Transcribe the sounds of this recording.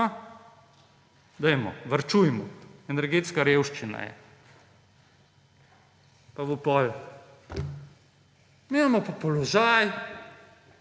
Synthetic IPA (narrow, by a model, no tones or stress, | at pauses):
a | d̪ɛjmɔʋəɾt͡ʃujmɔɛnɛɾɡeːt̪skaɾeːwʃt͡ʃina̰jɛ̰ | paʋupɔl | mimamɔpɔpɔlɔʒaj